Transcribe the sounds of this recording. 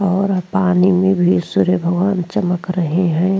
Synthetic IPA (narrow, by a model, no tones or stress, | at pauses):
ɔːɾpaːnimẽbʱisuɾjəbʱəɡʋaːnt͡ʃəməkɾəɦeɦɛ̃